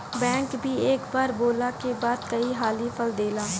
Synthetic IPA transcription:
bɛ̃ːŋkbʱieːkbaːɾboːlakebaːd̪̚kəiɦaːlipʰəld̪eːlaː

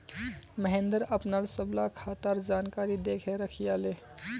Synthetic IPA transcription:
məɦẽnd̪əɾɐpnaɾsəblakʰaːt̪əɾd͡ʒaːnkaːɾid̪eːkʰeɾɐkʰijaːleː

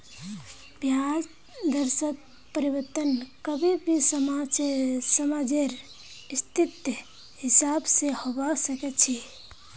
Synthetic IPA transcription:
bʱjas | d̪əɾsət̪̚ | pəɾiwəɾt̪ənkəbʱibʱisəmasəmad͡ʒeɾ | ist̪it̪jə | hisabsehobasəkɛt̪t͡ʃʰi

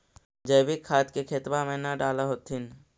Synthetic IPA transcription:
d͡ʒəjbikʰːaːt̪kekʰet̪bamẽnaɖaːlaɦoːt̪ɪn

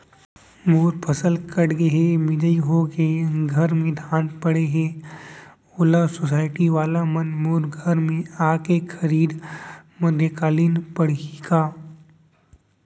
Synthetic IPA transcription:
moːɾpʰɐsəlkɐɽɡeɦemɪd͡ʒəiɦoːkeɡʱɐɾmẽd̪ʱaːnpəɽeɦɛ̃ː | oːlasoːsaːɪʈiʋaːlamɐnmoːɾɡʱəɾmẽaːkekʰɐɾiːd̪mɐd̪ʱjəkaːliːnpəɽ̤kaː

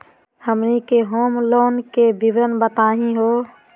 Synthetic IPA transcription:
həmnikeɦoːmloːnkebiʋɾənbət̪aːɦĩɦo

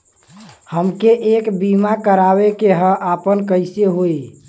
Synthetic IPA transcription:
həmkeʔekbimakəɾabekeɦə̃ʔapənkəɪseɦoi

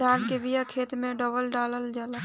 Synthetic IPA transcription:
aːnkebijakʰeːt̪mẽɖəbəlɖaːləld͡ʒaːla

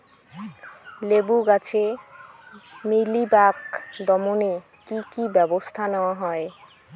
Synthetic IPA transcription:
lebuɡat͡ɕʰe | milibakd̪ɔmone | kikibɛbost̪ʰanɛoaɦɔe

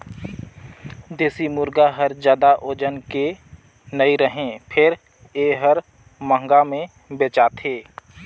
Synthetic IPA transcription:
d̪eːsimʊɾɡaɦəɾzjaːd̪aʔoːd͡ʒənke | nəiɾəɦẽːpʰɪɾ | eːɦəɾ | mə̃ŋɡamẽ | beːt͡ʃaːt̪ʰɦeː

